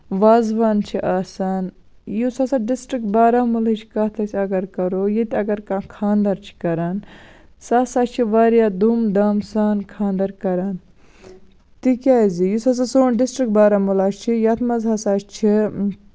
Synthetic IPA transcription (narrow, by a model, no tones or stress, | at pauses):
ʋaːzʋaːnt͡ʃʰiʔaːsaːn | jusasaɖisʈɾik̚ʈ̚baːɾaːmulit͡ʃʰi̥kaːt̪ʰɐsʰʲɐɡɐɾkɐɾoːjit̪ʲɐɡɐɾkãkʰaːnd̪ɐɾt͡ʃʰi̥kɐɾaːn | saːsaːʃt͡ʃʰiʋaːɾjaːd̪umd̪ɐmsaːnkʰaːnd̪ɐɾkɐɾaːn | t̪ikʲaːzijusas̬asoːnɖisʈɾik̚baːɾamulaːʃt͡ʃʰijɐt̪ʰmɐzɦasaːt͡ʃt͡ʃʰi